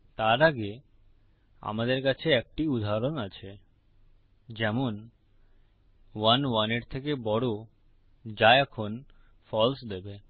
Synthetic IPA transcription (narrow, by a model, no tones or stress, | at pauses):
t̪aɾaɡe | a̰mad̪eɾkat͡ɕʰeɛk̚ʈiud̪ʱaɾonat͡ɕʰe | d͡ʑɛmon | wanwaneɾt̪ʰek̬ebɔɽo | d͡ʑaeɛkʰon | fɔlsd̪ebe